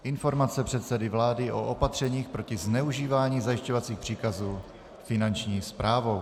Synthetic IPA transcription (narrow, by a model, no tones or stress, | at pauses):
ʔɪnfo̞ɾmat͡sɛpr̥ɛt̪sɛdɪvlaːdɪʔoʔopat̪r̝̥ɛɲiːxpɾo̞cɪznɛuʒiːvaːɲiːzajɪʃcovat͡siːxpr̥iːkazuː | fɪnant͡ʃɲiːspɾʔaːvow